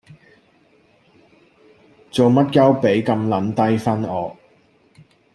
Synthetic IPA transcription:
t͡so˨wmɐ˥t̚kɐ˥wpe˨˥jkɐ˧mlɐ˨˥nt̪ɐ˥jfɐ˥nɔː˨˥

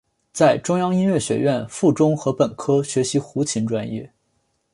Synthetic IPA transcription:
t͡sa˥˩ɪʈ͡ʂʊ˥ŋjɑ˥ŋi˥nɥɛ˥˩ɕɥɛ̰˧˥ɥɛ˥˧nfu˥˩ʈ͡ʂʊ˥ŋxɤ˧˥pə˨˩nkʰɤ˥ɕɥɛ˧˥ɕi˧˥xu˧˥t͡ɕʰi˧˥nʈ͡ʂwa˥njɛ̰˥˩

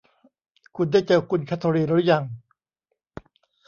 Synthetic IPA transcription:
kʰu˧ndaː˥˩jt͡ɕe˧wkʰu˧nkʰa˦˥t̪ʰːo˧ɾiː˧˩ɾu˦˥ja˧ŋ

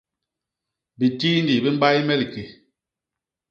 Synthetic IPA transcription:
bi˨tiː˦ndi˨bi˦m˦ba˦jmɛ˦li˨ke˨

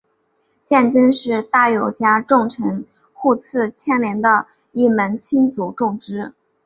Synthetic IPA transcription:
t͡ɕjɛ˥˩nʈ͡ʂə˥ŋʂɻ̩˥˧t̪a˥˩jo˨˩ʊt͡ɕja˥ʈ͡ʂʊ˥˩ŋʈ͡ʂʰɤ˧˥ŋ | xu˥˧t͡sʰɹ̩˥˧t͡ɕʰjɛ˥nljɛ˧˥nd̪ə˧ | i˥˩mə˧˥nt͡ɕʰi˥nt͡su˨˩ʈ͡ʂʊ˥˩ŋʈ͡ʂɻ̩˥

